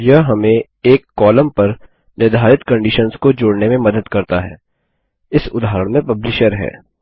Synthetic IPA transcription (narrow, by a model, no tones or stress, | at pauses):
jɐɦɦɐmẽ | eːkːɔːləmpɐɾ | nɪɾd̪ʱaːɾɪt̪kɐ̃ɳɖiːʃənskod͡ʒoːɽnemẽmɐd̪əd̪kɐɾt̪aɦɛ̰ː | ɪsʊd̪aːɦəɾəɽ̃mẽpɐblɪʃəɾɦɛ̰ː